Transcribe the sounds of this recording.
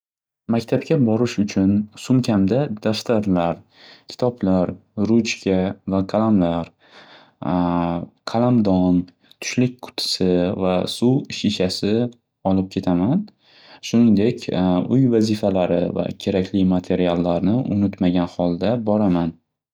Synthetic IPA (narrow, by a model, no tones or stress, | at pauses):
makʲt̪ʰap̚kʲʰabɒɾɪʃʊt͡ʃʰʊnsʊmkʲʰamd̪ad̪̥aft̪ʰaɾlaɾ | kʲʰɪ̥t̪ʰɒblaɾɾʊt͡ʃkʲʰavaqʰalamlaɾ | qʰalamd̪ɒn | t̪ʰʊ̥ʃlɪk̚ʲqʰʊ̥t̪ʰɪ̥sɪvasuwɪʃiʃasɪ | ɒlɪp̚kʲʰe̞t̪ʰaman | ʃʊnɪŋd̪e̞kʲʊjvazɪfalaɾɪ̰va̰kʲʰe̞ɾakʲʰlɪmat̪ʰe̞ɾialˠːaɾnɪʔʊ̰nɪt̪maɡʲanhɒlˠd̪abɒɾaman